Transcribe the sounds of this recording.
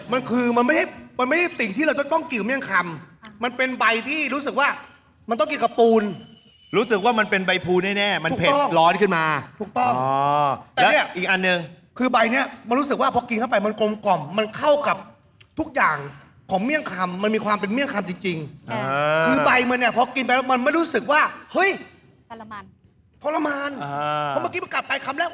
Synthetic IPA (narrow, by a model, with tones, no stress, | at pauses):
ma˧nkʰɯː˧ma˧nma˥˩jha˥˩jm˧nma˥˩jha˥˩si˨˩ŋt̪ʰiː˥˩ɾa˧wt͡ɕ̪ɔ˥˩t̪ɔ˥˩ŋki˨˩˨mi˥˩ə˨ŋkʰa˧mːa˧npe˧nba˧jt̪ʰiː˥˩ɾuː˦˥s̬ɯ˨˩k̚waː˥˩ | ma˧nt̪ɔ˥˩ŋki˨˩ka˨˩p̚uː˧n | ɾuː˦˥sɯ˨˩k̚waː˥˩ma˧npe˧nba˧jpʰuː˧nɛː˥˩nɛː˥˩ma˧nʰː˨˩pʰe˨˩ɔ˥˩ŋlɔː˦˥nkʰɯ˥˩nmaː˧t̪ʰuː˨˩k̚t̪ɔ˥˩ | lːɛ˦˥ni˥˩ɐʔiː˨˩k̚ʔa˧nːɯ˨˧ŋ | kʰɯː˧ba˧jni˥˩ɐma˧nɾu˦˥sɯ˨˩k̚waː˥˩pʰɔ˧˦ki˧nkʰa˥˩wpa˧jma˧nko˧mkɔ˨˩mːa˧nkʰa˥˩wka˨˩p̚ | t̪ʰu˦˥k̚jaː˨˩ŋ | kʰɔː˩˦ŋmi˥˩əŋkʰa˧mːa˧nmiː˧kʰwaː˧mpe˧nmi˥˩əŋkʰa˧mt͡ɕi˧ŋt͡ɕi˧ŋː˧ | kʰɯː˧ba˧jma˧nːi˥˩ɐ˩pʰɔ˦˥ki˧npa˧lɛ˦˥˩wma˧nma˥˩jɾuː˦˥sɯ˨˩k̚waː˥˩hɤ˦˥˩j | pʰɔ˧˥la˧maː˧naː˧ɔ˧˦m˧˥˩ki˦˥pa˧ka˨˩t̪̚pa˧jkʰa˧mlɛː˥˩k̚wa˥˩